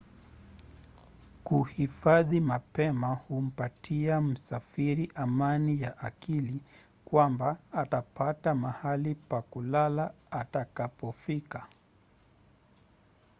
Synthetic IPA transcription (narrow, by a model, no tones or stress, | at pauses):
kuhifaðimapɛmahum̩patʰiam̩safiɾiʔamanijaʔakili | kwambaːtapatamahalipakulalaːtakapɔfika